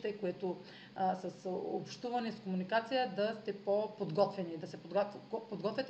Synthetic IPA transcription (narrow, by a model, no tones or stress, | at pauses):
t̪ɛkoɛt̪o | sɐsopʃt̪uvɐnɛskomunikat̪sijəd̪ɐst̪ɛpopod̪ɡɔt̪vɛnid̪ɐsɛpod̪ɡpod̪ɡɔt̪vʲɛt̪